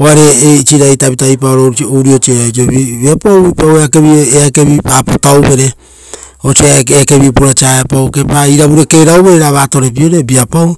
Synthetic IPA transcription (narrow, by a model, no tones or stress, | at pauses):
oaɾe̞ːit͡ʃiɾajtaβitajpaoɾoowɾiot͡ʃieajt͡ʃioβiβeapawipaweakeβioeakeβipapotawβe̞ɾe | ot͡ʃeeke̞βipuɾat͡ʃaapawke̞paiɾaβuɾe̞ke̞ɾawβe̞ɾeɾaβaːto̞ɾe̞p̬io̞ɾebiapaw